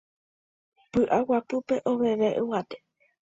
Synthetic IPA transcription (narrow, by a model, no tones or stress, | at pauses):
pɨʔawapɨpe̞ʔoʋe̞ʋe̞ʔɨwat̪e̥